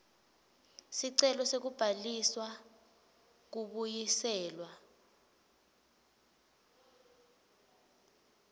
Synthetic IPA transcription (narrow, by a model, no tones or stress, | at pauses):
siǀɛlɔsek̬ub̥ʱaliswa | k̬uɓujisɛːlwa